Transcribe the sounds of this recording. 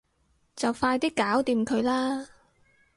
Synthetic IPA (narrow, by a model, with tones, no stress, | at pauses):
t͡sɐ˨˩wfaː˧jt̪iː˥kːaː˨˥wt̪iː˧mkʰɵ˨˧ɥlaː˥